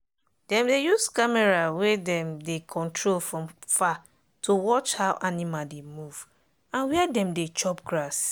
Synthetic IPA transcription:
d̥ɛ̃mdejuskamɛɹawedɛ̃mdekʰɔ̃ntʰɹolfɹɔ̃mfa | tʰowɔt͡ʃhawʔanimademuv̥ | ãnwɛɛdɛ̃mdet͡ʃɔp̚ɡɹas

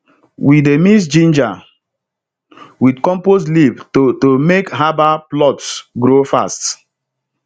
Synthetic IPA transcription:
wʔidemis̬d͡ʒĩnd͡ʒa | widkɔ̃mposlibtomekɦabaplɔtsɡɾofa̰st

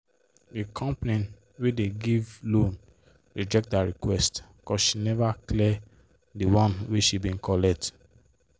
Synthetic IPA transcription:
ekʰɔ̃mpnĩn | wedeɡivlõn | ɹid͡ʒɛk̚t̚daɹikwɛst | kɔsʃinɛvaklɛ | diwɔ̃nweʃibĩŋ̩kʰɔlɛk̚t

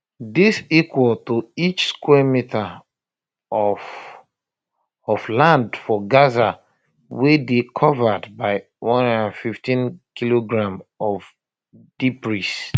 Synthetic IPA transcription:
disikwɔltuit͡ʃskwɛmitʰa | ɔflãndfɔɡaza | wedekʰɔvadbaɪ | wʔɔ̃nnãnfiftĩnkiloɡɹãmɔv | d̥ipɹis

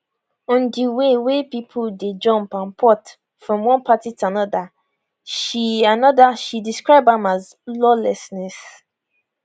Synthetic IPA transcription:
ɔ̃ndiwewepipʰulded͡ʒɔ̃mpãnpʰɔt | fɹɔ̃mwɔ̃npʰatituanɔda | ʃianɔdaʃidiskɹaɪbãmaz | lɔlɛsnɛs

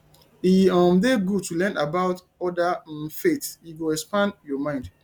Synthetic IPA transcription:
iɔ̃mdeɡutulɛ̃nabaʊt | ɔdafetjiɡoɛkspãndjɔmãɪ̃nd

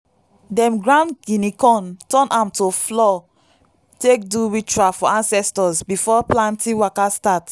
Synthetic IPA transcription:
dɛ̃mɡɹãndɡinikɔ̃ntɔ̃nʔãmtoflɔ | tek̚duɹit͡ʃuafɔãnsɛstɔzbifɔplãntʰĩwakastat

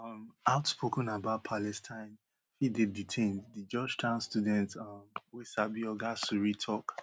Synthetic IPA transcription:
ʌmaʊtspʰokɔ̃nabaʊt̚pʰalɛstʰãɪ̃n | fideditʰẽndid͡ʒɔd͡ʒtʰãʊ̃nstudɛ̃ntʌmwesabiɔɡasuɹitʰɔk

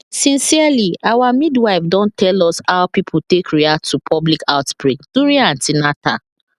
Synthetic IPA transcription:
sĩnsialiʔawamidwaɪfdɔ̃ntʰɛlɔsaʊpipʰutekɹiak̚tʰːupʰɔblikaʊtbɹikd̥uɹiãntinata

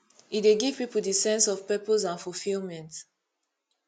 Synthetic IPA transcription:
itdeɡiv̥pipudisɛ̃nsɔv̥pɛposãnfulfilmɛ̃nt

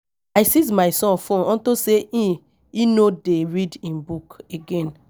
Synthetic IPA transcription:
ajsiz̬maɪsɔ̃nfõnɔ̃ntoseʔĩ | inodeɹidĩnbukeɡɛ̃n

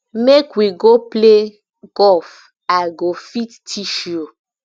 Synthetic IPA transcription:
mekwiɡople | ɡɔf | aɡofittʰiʃo

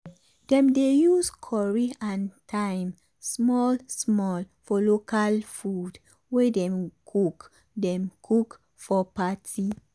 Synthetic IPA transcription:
d̥ɛ̃mdejuskʰɔɹiãntʰãɪm | smɔlsmɔl | fɔlokalfud | wedɛ̃mkʰuk | dɛ̃mkʰuk | fɔpatʰi

